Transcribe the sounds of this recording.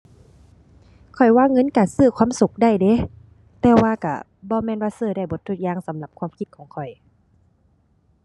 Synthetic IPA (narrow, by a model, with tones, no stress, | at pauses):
kʰɔ˨˩jwaː˧˥˨ŋːɤ˧˥˨nkaː˨˩nsɯː˧˩kʰwaː˧˥˨msu˨˧˩k̚da˧˩˨jde˧˦ | t̪ɛː˧waː˧ka̰˧˩ | bɔː˧˦mɛː˧˥˨nwaː˧sɯː˧˩da˧˩jbo˧˦t̪ʰːu˧˩k̚jaː˧˥˨ŋsa˨˦mla˧˩p̚kʰwaː˧˥˨mkʰi˧˦t̪̚kʰɔː˨˦ŋkʰɔ˨˩j